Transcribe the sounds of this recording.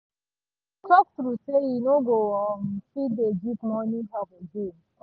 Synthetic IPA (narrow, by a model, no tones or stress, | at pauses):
kɔk̚tɾusejinoɡowɔm̩fided͡ʒipmɔniɦabod͡ʒem